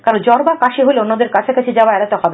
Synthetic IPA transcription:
kaɾond͡ʑɔɾbakaʃeɦoleonːad̪eɾkat͡ɕʰekat͡ɕʰed͡ʑabaɛɾat̪ɔkʰab

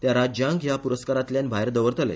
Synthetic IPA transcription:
t̪jaɾad͡ʑãŋɡjapuɾəskaɾat̪ljanbʱajɾd̪əʋəɾt̪ʰəlḛ

